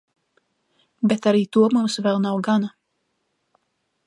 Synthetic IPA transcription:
bet̪aɾiːt̪uɔmumsvɛlˠnawɡana

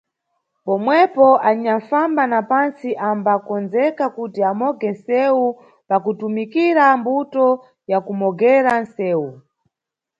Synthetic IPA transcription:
pɔmwɛpɔʔaɲaɱfambanapansiʔambakɔnzɛkakutiamɔɡɛnsɛu | pakutumikiɾambutɔ | jakumɔɡɛɾan̩sɛːwu

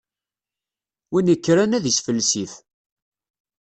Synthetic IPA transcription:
winəkːɾænæðisfəlːsiθ

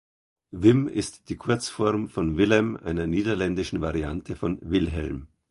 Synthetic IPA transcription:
vɪmɪ̰std̥iːkʰʊɐt͡sfɔɐmfɔnvɪlɛmʔa̰ɪnɐniːdɐlɛndɪʃn̩vaʁiantʰəfɔnvɪlɦɛ̰lm

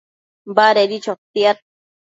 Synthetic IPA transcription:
baɾeɾit͡ʃot̪ːiat̪̚

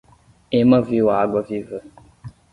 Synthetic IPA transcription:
emãviwaɡ͡bɔvivə

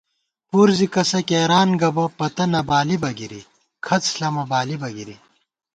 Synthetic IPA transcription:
puːɾzikɐsɐkeːɾaːnɡɐbɐpɐt̪ɐnɐbaːlibɐɡiɾḭ | kʰɐt͡sɬɐmɐbaːlibɐɡiɾi

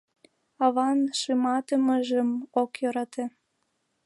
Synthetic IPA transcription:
ɑβɑnʃɨmɑt̪əməʒəmokjoɾɑt̪e

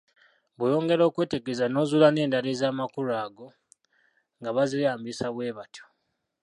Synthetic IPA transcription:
βujo̞ːŋɡe̞ɾo̞ːkwe̞ːteɡezano̞ːzulane̞ːndalezaːmakuɾaːɡo̞ | ŋɡaβazijaːmbisaβwe̞ːβatʰo̥

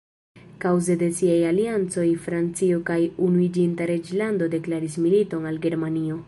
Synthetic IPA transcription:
kawze̞de̞siajaliant͡so̞jfɾant͡siokajunuid͡ʒintaɾe̞d͡ʒlando̞de̞klaɾismilito̞nalɡe̞ɾmanio̞

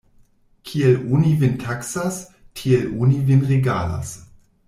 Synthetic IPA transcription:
kʰielunivintʰaksas | kʰielunivinʁeɡala̰s

